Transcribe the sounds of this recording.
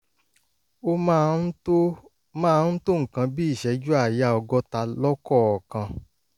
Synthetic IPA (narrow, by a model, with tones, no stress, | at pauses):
o˦mã˦o˦ | mãː˦n̩˦to˦ŋ̩̃˨kã˧bi˦i˦˨ʃɛ˨˦d͡ʒu˦a˦˨ja˧˨ɔ˧ɡɔ˧ta˧lɔ˦kɔ˦˨ɔ˨kã˧